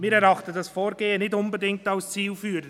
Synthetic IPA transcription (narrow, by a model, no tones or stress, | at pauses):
miːɾɛɾɑχtədɑsfoːɾɡeːənɪtʊnbədɪŋk̚taʊst͡siːlfyːɾə